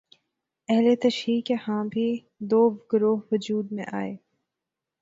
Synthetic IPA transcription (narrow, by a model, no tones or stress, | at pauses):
ɛɦlet̪ɐʃɾiːkehãːbʱi | d̪oːɡʊɾoːɦʋʊd͡ʒuːd̪mḛ̃ʔa̰ːeː